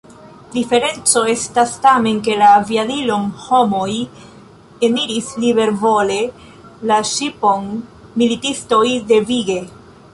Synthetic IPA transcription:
d̪ife̞ɾe̞nt͡so̞e̞stastame̞nke̞laːviadilo̞nho̞moj | e̞miɾisliβe̞ɾvo̞le̞ | laʃipo̞n | militisto̞jde̞viɡe̞

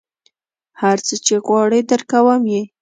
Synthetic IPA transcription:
haɾt͡sət͡ʃeɣwɑɽəd̪əɾkawəmje

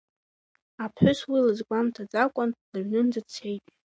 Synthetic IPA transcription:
apʰħʷᶣʊswilɨzɡʷamtʰad͡zakʷʼʊnlɨɥnɨnd͡zat͡sʰe̞jtʼ

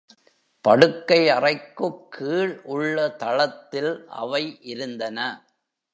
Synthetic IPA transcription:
pɐɽɯkːɐɪɐrɐɪkːɯkʰːiːɭʔʊɭːɐt̪ɐɭɐt̪ːɪlʔɐ̰ʋɐɪʔɪɾɯnd̪ɐnɐ

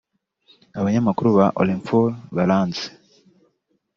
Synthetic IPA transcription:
aβaɲamakuɾuβaʔo̰limfoβalaːnt͡si̥

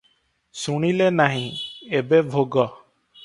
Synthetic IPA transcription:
suɽ̃ilenaɦĩebebʱoɡɔ

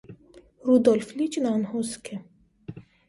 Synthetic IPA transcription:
rud̪ɔlflit͡ʃnanhoskʰe

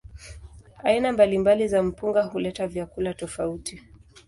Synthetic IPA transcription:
ainambalimbalizam̩puŋɡahulɛtavjakulatɔfauti

